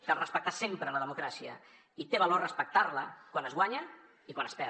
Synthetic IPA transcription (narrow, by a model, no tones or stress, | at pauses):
k̪ərəspək̚t̪asempɾələðəmukɾasiə | it̪eβəlorəspək̚t̪arləkwanəzɣwaɲə | ikwanəspɛ